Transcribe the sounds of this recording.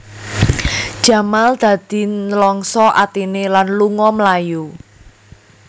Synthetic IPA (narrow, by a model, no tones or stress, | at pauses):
d̥ʒ̥ä̤mald̪̥ä̤d̪̥i̤nəlɔŋsɔʔa̰t̪inelanluŋɔməlaju